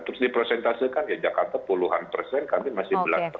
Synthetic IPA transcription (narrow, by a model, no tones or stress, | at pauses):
t̪əɾʊsdipɾosɛnt̪asikanjad͡ʒakart̪apuluɦanpərsɛnkamimasɪhbəlaspə